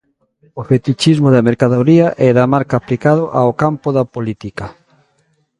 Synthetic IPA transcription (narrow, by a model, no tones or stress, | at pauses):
ofet̪it͡ʃizmʊðɐmeɾkaðoɾiɐʔɛðamaɾkaːplikaðoʔaokampoðɐpolit̪ikɐ